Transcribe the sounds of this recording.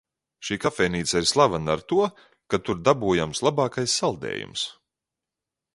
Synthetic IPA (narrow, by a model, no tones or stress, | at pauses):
ʃiːkafɛniːsaiɾslˠavanaɾt̪uɔ | kat̪uɾd̪abujamslˠabɑːkajsːalˠd̪ɛ̰ːjṵms